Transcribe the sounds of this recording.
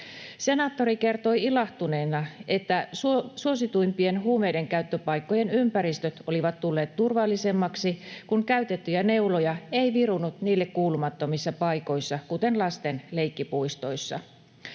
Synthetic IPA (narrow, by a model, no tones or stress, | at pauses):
se̞nɑt̪ːoɾike̞rt̪o̞iilɑht̪une̞ːnɑe̞t̪ːæsusuo̞sit̪ujmpie̞nɦuːme̞jde̞ŋkæyt̪ːøpɑjkːo̞je̞nympæɾist̪øt̪o̞liʋɑt̪t̪ːulːeːt̪t̪urʋɑlːise̞mːɑksikuŋkæyt̪et̪ːyjæne̞ulojɑeiʋirunut̪niːlːe̞kkuːlumɑt̪ːomisːɑpɑjko̞jsːɑkut̪e̞nlɑst̪e̞nle̞jkːipuist̪o̞jsːɑ̰